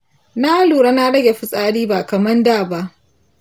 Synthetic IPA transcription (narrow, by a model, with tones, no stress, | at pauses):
na˦luː˨ɽa˦na˦ɽɐ˦ɡʲe˨ɸɪ˦sʼaː˦ɽiː˦baː˨kɐ˨mɐ˦ndaː˦˨ba˦ʔ